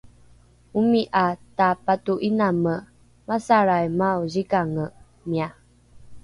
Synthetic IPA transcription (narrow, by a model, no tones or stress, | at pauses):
umiʔatapatuʔinamə | masaɾajmauzikaŋə | mia